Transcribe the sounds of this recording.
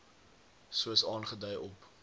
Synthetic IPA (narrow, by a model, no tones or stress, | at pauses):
suəsɑːnχədœjʔɔp